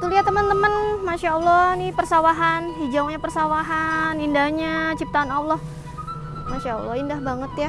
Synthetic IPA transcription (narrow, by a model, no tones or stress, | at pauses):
t̪uliat̪ːəmənt̪əmənmaʃaɔlːɔhnipərsawaɦanɦid͡ʒawŋɲapərsawaɦanindahɲat͡ʃip̚t̪aːnawlɔh | maʃaɔ̰lːɔ̰hindahbaŋət̪ja